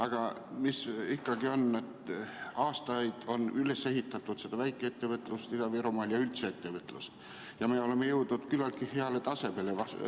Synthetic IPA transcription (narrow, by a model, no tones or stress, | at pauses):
ɑɡ̥ɑmisikːɑɡio̞ne̞t̪ɑːst̪ɑjd̪̥o̞nyle̞sːe̞ɦit̪ːˑɑt̪ːˑut̪se̞d̪̥ɑvæjkːˑeet̪ːe̞vət̪ːˑlust̪id̪ɑviɾomɑːljɑylt̪seet̪ːe̞vət̪ːˑlust̪ | jɑmeo̞le̞mːejɤwd̪̥nud̪̥kylːɑlt̪̚kiheɑle̞t̪ɑse̞be̞levɑs